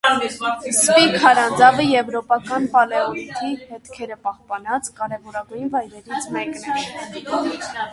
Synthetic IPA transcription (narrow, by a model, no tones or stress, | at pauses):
spikʰɑɾɑnd͡zɑvəjɛvɾɔpɑkɑnpɑlɛɔnit̪ʰihɛt̪kʰɛɾəpɑhpɑnɑt͡skɑɾɛvɔɾɑɡujnvɑjɾɛɾit͡sʰmɛknɛ